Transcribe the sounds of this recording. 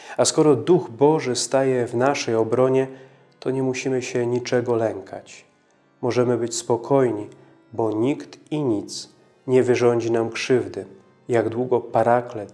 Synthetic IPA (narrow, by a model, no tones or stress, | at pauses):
askɔɾɔd̪uɣbɔʐɘst̪ajɛvnaʂɛjɔbɾɔɲɛ | t̪ɔɲɛmuɕimɘɕɛɲit͡ʂɛɡɔlɛŋkʰat͡ɕ | mɔʐɛmɘbɘt͡ɕspɔkʰɔjɲi | bɔɲikt̪iɲit̪s | ɲɛvɘʐɔɲd͡ʑinamkʂɘvd̪ɘ | jaɡd̪wuɡɔpaɾaklɛt̪